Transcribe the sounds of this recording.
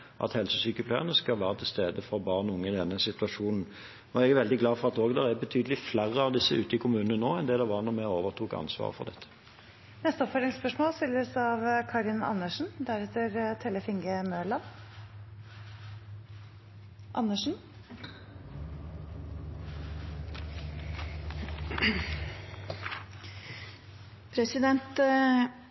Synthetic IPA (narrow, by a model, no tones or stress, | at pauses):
ʔɑ̰t̪hɛlsəsyːkəpʰlæ̰ːnəskɑlʋæːʁət̪ʰɪlst̪eːd̪əfɔʁbɑːʁnʊŋːəɪd̪ɛnːəsɪt̪ʉɑʃuːnn̩ | ɔɛɡæʁʋɛld̪ɪɡlɑːfɔʁɑt̪oːɡd̪ɛʁæbət̪ʰyːd̪əlɪflæʁːəɑʋd̪ɪsəʉːt̪əɪkʰʊmʉːnənənoːɛnd̪ɛd̪ɛʋɑʁnɔmɛoːʋəʁt̪ʰuːkɑ̰nsʋɑ̰ːʁəfɔ̰ʁd̪ɛt̪ʰːə̥ | nɛst̪əɔpfɔɾɾɪŋspœʂmoːlsɪlːəsɑʋkʰɑɾɪnɑ̰nːəʂn̩d̪æɾɛt̪ːəɾt̪ʰɛːləfɪŋɡəmøːɭɑn | ʔɑnːəʂn̩ | pʰɾɛsɪd̪ɛnt̪